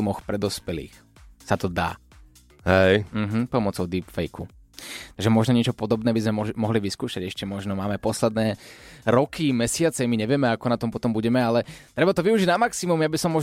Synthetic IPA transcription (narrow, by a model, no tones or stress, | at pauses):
mɔxpɾɛd̪ɔspɛlḭːx | sat̪ɔd̪a̰ː | hɛjm̩ɦm̩pɔmɔt͡sɔʊd̪iːpfɛjku | t̪aɡʒɛmɔʒnɔɲɪɛt͡ʃɔpɔd̪ɔbnɛːbizmɛɔmɔɦliʋiskuːʃaɟɛʃcɛmɔʒnɔmaːmɛpɔslɛd̪nɛːɾɔkimɛsɪat͡sɛmiɲɛʋɪɛmɛakɔnat̪ɔmpɔt̪ɔmbuɟɛmɛalɛt̪ɾɛbat̪ɔʋiuʒiɟnamaksimumjabisɔmːɔʒ